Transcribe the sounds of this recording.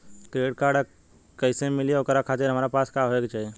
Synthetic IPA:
kɾeɖkaɾɖ | kəɪsemilieokɾakʰat̪ɪɾɦəmɾapaskaɦoekt͡ʃaɦie

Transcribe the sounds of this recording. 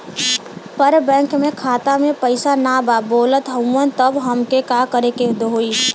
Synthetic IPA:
pəɾbɛ̃ːŋkmẽkʰaːt̪amẽpəɪsanaːbaːboːlət̪ɦəənt̪əbɦəmkekaːkəɾeked̪oɦoːi

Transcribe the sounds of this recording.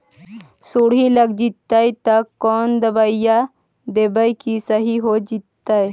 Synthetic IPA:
suɽiləɡd͡ʒit̪ːajt̪ɐkːɔːnd̪əbaja | d̪ebəjkisəɦiɦod͡ʒit̪ːaj

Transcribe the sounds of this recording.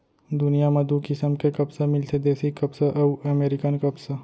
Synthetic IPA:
d̪ʊnijamɐd̪ukɪsəmkekɐbsemɪlsed̪eːsikɐbseʔɐwɐmeːɾɪkənkɐbsa

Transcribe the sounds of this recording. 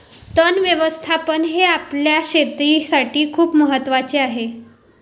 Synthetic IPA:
t̪ənʋjəʋəst̪ʰapənɦeapljaɕet̪ɾisaʈʰiːkʰuːpməɦət̪ːʋat͡seaɦe

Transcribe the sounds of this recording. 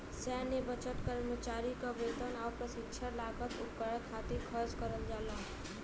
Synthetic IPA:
sɛːnebət͡ʃət̪kəɾmət͡ʃaːɾikabelt̪ənaːpɾəsɪ̃ŋt͡ʃʰəlaːkət̪ʊpkəɾəkʰaːt̪ekʰəɾd͡ʒkəɾəld͡ʒaːla

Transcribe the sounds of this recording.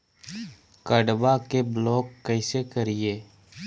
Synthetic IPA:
kəɖbakeblɔːkːəɪsekəɾɪeː

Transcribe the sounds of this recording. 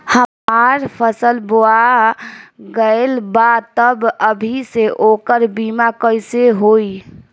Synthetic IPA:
həmaɾpʰəsəlboa | ɡəelbat̪əbəbʱiseʔokəɾbimakəjseɦoi

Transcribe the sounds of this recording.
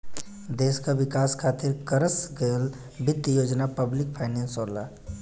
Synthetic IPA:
d̪eːskaʋɪkaːskʰaːt̪ɪɾkəɾəsɡəjəl | bʱɪt̪ːjoːd͡ʒnapəblɪk̚pʰaːɪnẽnsoːɾla̰ː

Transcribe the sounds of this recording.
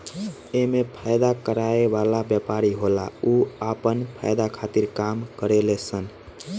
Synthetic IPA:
emepʰajd̪akəɾaebalabjəpaɾiɦola̰uapənpʰa̰jd̪akʰat̪iɾkamkəɾelesən

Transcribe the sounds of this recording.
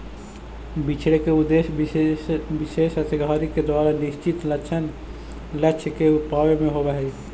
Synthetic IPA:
bit͡ʃʰɽekeud̪es | bisesəsiɡʱaːɾiked̪waɾanist͡ʃit̪lət͡ʃʰən | lət͡ʃʰkeupawemẽɦobɛɦɛ

